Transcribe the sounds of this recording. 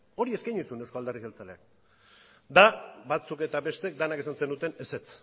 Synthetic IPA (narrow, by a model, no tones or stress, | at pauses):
o̞ɾie̞skajɲisunewskoald̪eriɣelt͡salea̰k | d̪abat͡suke̞t̪aβe̞st̪ek̚d̪anakesanse̞nut̪e̞ne̞se̞t͡s